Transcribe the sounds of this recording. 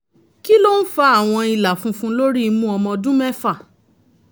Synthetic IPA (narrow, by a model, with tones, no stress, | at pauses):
ki˦lo˦n̩˦fa˨˦a˦˨w̃ɔ̃˧i˧la˨fũ˧˦fũ˧˦lo˦ɾi˦˧mũ˦ɔ˧mɔ̃˧dũ˦mɛ˦fa˦˨